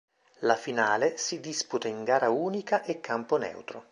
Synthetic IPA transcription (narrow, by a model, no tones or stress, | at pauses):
lafinaːlesid̪isput̪aiŋɡaːɾauːnikaʔekʰːamponɛ̰wt̪ɾo